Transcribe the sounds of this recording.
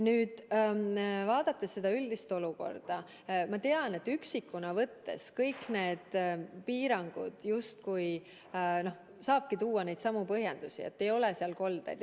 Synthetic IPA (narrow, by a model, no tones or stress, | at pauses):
nyːd̪̥ | vɑːd̪̥ɑt̪ːˑe̞sːe̞d̪ɑyld̪̥ist̪o̞luko̞̰rd̪̥ɑ | mɑt̪e̞ɑne̞t̪ːyksikːunɑvɤt̪ːe̞̰skɤjkne̞ːd̪̥piːɾɑŋɡ̥ṵd̪̥just̪kuj | no̞h | sɑːb̥̚kit̪uːɑne̞jd̪sɑmupɤɦjend̪̥usḭḛt̪ːe̞jo̞leseɑlko̞ld̪̥ḛjd̪